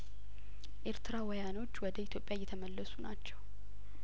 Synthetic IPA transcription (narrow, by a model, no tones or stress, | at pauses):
ʔeɾt̪ʰɨɾawɔjano̞t͡ʃːwɔd̪əit̪ʰjo̞pʼjajːɛt̪ʰəməlːəsunat͡ʃːɛw